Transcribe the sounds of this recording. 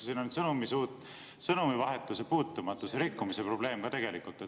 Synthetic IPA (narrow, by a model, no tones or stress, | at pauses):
siːnonsɤnumisuːt̪ːˑ | sɤnumivɑɦe̞t̪ːˑusepuːt̪ːˑumɑt̪ːˑuseɾikːumise̞pro̞b̥le̞ːmkɑt̪e̞ɡ̥e̞likult̪ːˑet